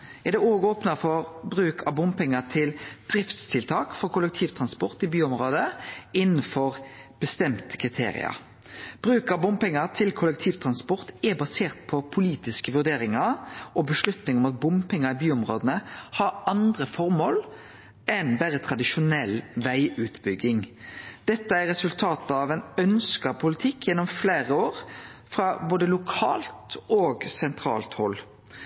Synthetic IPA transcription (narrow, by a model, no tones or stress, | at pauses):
ɛʁd̪ɛoːɡoːpnɑfɔʁbɾʉːkʰɑʋbʊmpɛŋːət̪ʰɪld̪̥ɾɪft̪st̪ʰɪlt̪ʰɑːkfɔɾkʰʊlɛk̚t̪ʰiːʋt̪ʰɾɑnspɔʁt̪ɪbyːʊmʁoːd̪əɪnːəfɔʁb̥əst̪ɛmt̪ə̥kʰʁɪt̪ʰḛːɾɪ̰ɑ̰ | b̥ɾʉːkɑʋbʊmpɛŋːɑt̪ʰɪlkʰʊlɛkt̪ʰiːʋt̪ʰɾɑnspɔʁt̪ɛbɑseːʁt̪̚pʰɔpʰʊliːt̪ɪskəʋʉʁd̪eːɾɪŋɑɾɔbəʃlʉt̪nɪŋɔmɑt̪̚bʊmpɛŋːɑɪbyːʊmʁoːd̪ənəhɑɾɑnd̪ʁəfɔɾmoːl | ɛnbæɾət̪ʰʁɑd̪ɪʃʊnɛlʋæɪʔʉːt̪bʏɡːɪŋd̪̥ɛt̪ːəæɾːɛsʉlt̪ʰɑːt̪əɑʋɛnœnskɑpʰʊlɪt̪ʰɪkʰːjɛnːɔmfleːʁəoːɾfʁɑboːd̪əlʊkʰɑ̰ːlt̪oːɡsɛnt̪ʰɾɑ̰ːlt̪hɔlː